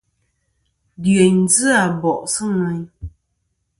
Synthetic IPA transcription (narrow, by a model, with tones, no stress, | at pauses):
dɰə˨ɲ˦zɨ˦a˨bɔ˨ʔsɨ˦ŋa˨ɲ